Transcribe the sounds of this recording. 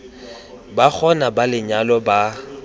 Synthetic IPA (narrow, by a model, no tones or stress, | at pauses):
bak͡xʰɔnabalɪɲalɔba